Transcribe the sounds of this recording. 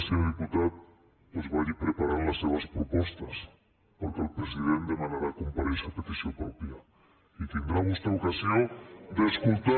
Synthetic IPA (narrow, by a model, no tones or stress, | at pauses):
seoðiput̪að | pozβajʎipɾepaɾaɾlasːeβɐspɾopɔst̪ɐs | poɾkelpɾesiðẽnt̪d̪emãnaɾakompaɾesapet̪isjompɾɔpja | it̪end̪ɾamust̪aokasjoŋd̪eeskult̪a